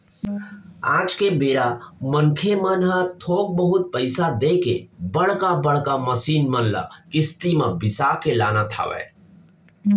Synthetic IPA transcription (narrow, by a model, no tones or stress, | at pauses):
ad͡ʒkebeɾamənkʰemənɦət̪ʰok̚bəɦut̪̚pəɪsad̪ekḛbəɽkabəɽkaməsinmənla̰kist̪imebisakela̰nat̪ʰa̰ʋɛ̰